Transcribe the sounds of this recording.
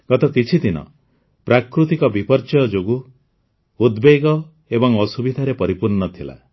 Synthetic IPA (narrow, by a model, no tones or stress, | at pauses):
ɡ̥ɔt̪ɔkit͡ʃʰid̪inɔ̰ | pɾakɾut̪ikɔbipɔɾt͡ʃɔjɔd͡ʒoɡuː | d̪beɡɔ | ebɔŋɔsubid̪ʱaɾepɔɾipuɾnɔt̪ʰila̰